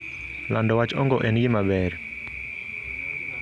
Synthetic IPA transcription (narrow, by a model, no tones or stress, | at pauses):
landɔwat͡ʃɔŋɡɔʔɛnɡɪmabɛɾ